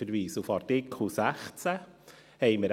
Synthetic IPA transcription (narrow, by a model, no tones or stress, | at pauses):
əɾʋiːsufɑɾtɪkʰl̩sæχt͡sə | hɛɪməɾ